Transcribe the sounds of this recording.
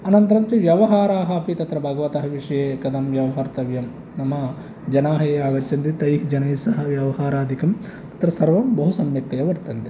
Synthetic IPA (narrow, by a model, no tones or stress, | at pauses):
ɐnɐnt̪ɐɾɐmt͡ʃiʋjɐʋɐɦaːɾaːɦɐːpit̪ɐt̪ɾɐbʱɐɡɐʋɐt̪ɐɦɐʋiʂɐjeːkɐd̪ɐmʋjɐʋɐɦɐɾt̪ɐʋjɐm | nɐmɐ | d͡ʒɐnaːɦɐjeaːɡɐt͡ʃːɐnt̪it̪ɐjɦd͡ʒɐnɐjsɐɦɐʋjɐʋɐɦaːɾaːd̪ʱikɐm | tt̪ɐ̥t̪ɾɐsɐɾʋɐmbɐɦusɐmjɐk̚t̪ɐjɐʋɐɾt̪ɐnt̪e